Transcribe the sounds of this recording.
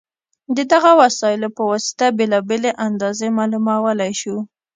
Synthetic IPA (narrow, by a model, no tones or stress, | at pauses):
d̪əd̪aɣawasɑjɪlopəwɑsɪ̥t̪abelɑbeleʔand̪ɑzemɑlumawəlajʃu